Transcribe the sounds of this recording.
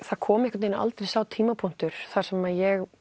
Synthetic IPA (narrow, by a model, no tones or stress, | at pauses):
θakʰɔːmɪhkʏt̪ejnɪa̰lt̪ɾejsaːwt̪ʰiːmapʰuŋ̥t̪ʏɾ̥θaɾ̥sɛmaðjɛɣ